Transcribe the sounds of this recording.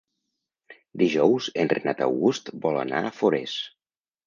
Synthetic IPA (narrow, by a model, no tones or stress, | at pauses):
d̪iʒɔwzənrenat̪ə̰wɣust̪bɔlˠə̰na̰əfoɾes